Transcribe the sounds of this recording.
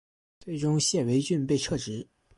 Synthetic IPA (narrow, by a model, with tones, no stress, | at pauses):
t͡swe˥˩ɪʈ͡ʂʊ˥ŋɕjɛ˥˩we˧˥ɪt͡ɕy˥˧npe˥˧ɪʈ͡ʂʰɤ˥˩ʈ͡ʂɻ̩˧˥